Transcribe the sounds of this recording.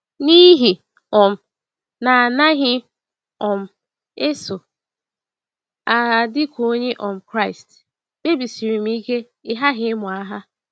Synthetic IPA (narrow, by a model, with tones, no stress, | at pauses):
ni˦ɦi˨ | ɔ˨m̩˨ | na˨a˨na˦ɦɪ˦ | ɔ˨m̩˨ | e˦so˨ | a˨dɪ˦kʷo˦ɲe˦ʔɔ˨m̩˨kɾa˦ɪ˨st | be˦bi˨si˨ɾi˨m̩˦i˦ke˦ | ɪ˦ɦa˦ɦɪ˦mʊ˨a˦ɦa˦